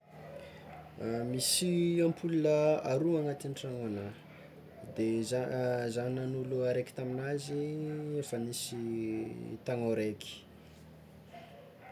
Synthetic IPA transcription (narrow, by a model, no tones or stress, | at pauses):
misiampʰulunəaɾuaŋat̪inʈ͡ʂaŋana | d̪ezazaninanuluaɾeki̥t̪aminaziefanisi | t̪aŋaɾeki̥